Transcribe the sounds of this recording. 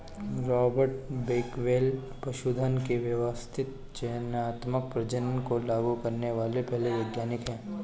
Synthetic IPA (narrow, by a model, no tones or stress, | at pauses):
ɾɔːbəɾʈbeːkʋeːl | pɾɐʃud̪ʱənkeʋjəʋəst̪ʰɪt̪̚ | t͡ʃenaːt̪mək̚pɾɐd͡ʒənkolaːɡukɐɾneʋaːlepɛɦleʋeːɡjaːnɪkɦɛ̃ː